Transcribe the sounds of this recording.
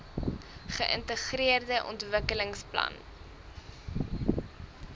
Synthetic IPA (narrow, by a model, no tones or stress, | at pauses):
χəʔə̰ntəχriərdəʔɔ̰ntvəkələŋsplɐ̰n